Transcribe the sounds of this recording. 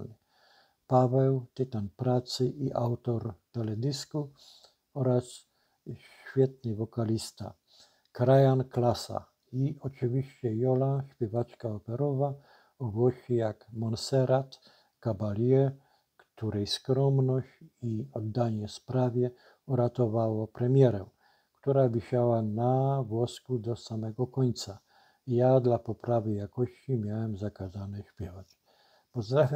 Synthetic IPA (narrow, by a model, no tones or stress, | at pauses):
n | pavɛwt̪ɘt̪anpɾat̪sɘʔiʔawt̪ɔɾt̪ɛlɛd̪ɘsku | ɔɾas | ɕ | fʲjɛt̪̚nɘvɔkalʲist̪a̰ | kɾajanklasa̰ | iɔt͡ʂɨvʲiɕt͡ɕɛjɔlaɕpʲjɛvat͡ʂkaɔpɛɾɔva | ɔɡwɔɕijakmɔnsɛɾat̪ | kabalʲjɛ | kt̪uɾɛjskɾɔmnɔɕiɔd̪ːaɲɛspɾavʲjɛ | uɾat̪ɔvawɔpɾɛmʲjɛɾɛ | kt̪uɾavʲiɕawanavwɔskud̪ɔsamɛɡɔkɔɲt̪sa | jad̪lapɔpɾavɘjakɔɕt͡ɕimʲjawɛmzakazanɛɕpʲjɛvat͡ɕ | pɔzd̪ɾafʲja